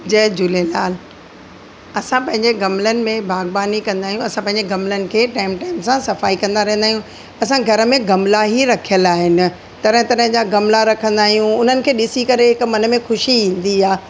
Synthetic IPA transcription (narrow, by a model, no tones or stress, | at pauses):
d͡ʑɐɦɪd͡ʑʊlelaːl | ɐsãpɐ̃ɦɪ̃ɲd͡ʑeɡɐmlənɪ̆mẽbʱaːɡbaːnikɐ̃nd̪aːɦijũɐsãpɐ̃ɦɪ̃ɲd͡ʑeɡɐmlənɪ̆kʰeːʈaːɪmʈaːɪmsãsɐfaːikɐ̃nd̪aɾɐɦə̃nd̪aːɦjũ | ɐsãɡʱɐɾə̆mẽɡɐmlaɦiɾɐkʰijəlaːɦɪnɪ̆ | t̪ɐɾə̃ɦɪ̃t̪ɐɾɦd͡ʑaɡɐmlaɾɐkʰə̃nd̪aːɦijũʊn̤ənɪ̆kʰeːɗɪsikɐɾeɦɪkmɐnəmẽxʊʃiĩːnd̪iaː